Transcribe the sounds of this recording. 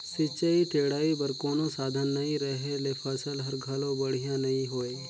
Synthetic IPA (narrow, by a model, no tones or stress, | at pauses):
sɪt͡ʃaiʈʰeːɽaːibɐɾkoːnosaːd̪ʱənːɐɦĩɾɐɦelepʰɐsəlɦɐɾɡʱalõbɐɽ̤ijãnɐɦĩɦoːeː